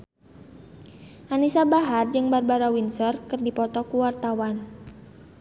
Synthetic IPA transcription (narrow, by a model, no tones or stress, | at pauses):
ʔanisabaɦard͡ʒɨŋbarbaɾawinsɔrkɨrdipɔt̪ɔkuwart̪awan